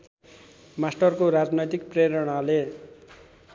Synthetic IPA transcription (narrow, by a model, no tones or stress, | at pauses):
masʈʌrkoɾad͡znʌjt̪ik̚preɾʌɽ̃ale